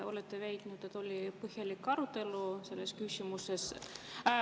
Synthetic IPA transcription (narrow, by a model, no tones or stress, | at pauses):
o̞let̪ːevejt̪nud̪̥et̪ːˑo̞lʲipɤhjɑlikːɑɾut̪ːˑe̞luse̞lːeskysʲimuses